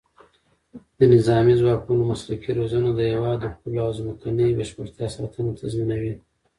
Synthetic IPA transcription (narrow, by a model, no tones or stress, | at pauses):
d̪̥ənɪzɑmizwɑkunomaslakiɾozanod̪əjawɑd̪əxulawzməkanəjbəʃpəɾt̪jɑsɑt̪ʰənot̪ʰazminawi